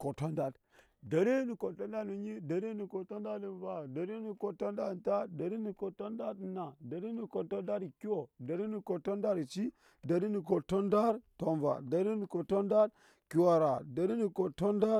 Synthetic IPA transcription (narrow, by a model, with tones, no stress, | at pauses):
ko˨to˦nda˦d | da˨ɾi˦ni˨ko˨to˦nda˦nu˨ɲi˦da˨ɾi˦ni˨ko˨to˦nda˦li˨nva˨da˨ɾi˦ni˨ko˨to˦nda˦˨ta˦da˨ɾi˦ni˨ko˨to˦nda˦dna˨da˨ɾi˦ni˨ko˨to˦nda˦ɾki˦wo˨da˨ɾi˦ni˨ko˨to˦nda˦ɾt͡ʃi˦ | da˨ɾi˦ni˨ko˨to˦nda˦ɾto˦nva̰˨da˨ɾi˦ni˨ko˨to˦nda˦d | ki˨˦wa˨ɾa˨da˨ɾi˦ni˨ko˨to˦nda˦